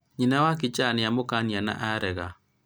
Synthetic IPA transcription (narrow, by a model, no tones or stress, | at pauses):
ɲinawakit͡ʃanɪamokaniana̰ʔaɾɛɣa